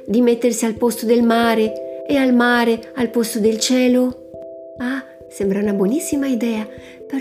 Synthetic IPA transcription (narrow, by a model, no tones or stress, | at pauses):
d̪imet̪ːersialpost̪od̪elmaːɾeealmaːɾealpost̪od̪elt͡ʃɛːlo | a | sɛmbɾaunabwonisːimaid̪ɛːa | peɾ